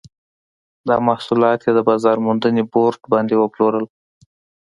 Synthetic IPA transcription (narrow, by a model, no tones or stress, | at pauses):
d̪ɑmahsulɑt̪jed̪əbɑzɑɾmund̪əneboɾʈbɑnd̪ewəploɾəl